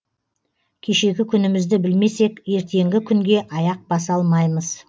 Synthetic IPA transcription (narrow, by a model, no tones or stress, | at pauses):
kʲʰe̞ʃe̞ɡʲɪkʲʰʏnɪmɪzd̪ɪbɪlme̞se̞kʲje̞ɾt̪e̞ŋɡʲɪkʲʰʏŋɡʲe̞ʔɑjɑq̚bɑsɑlˠmɑjməz̥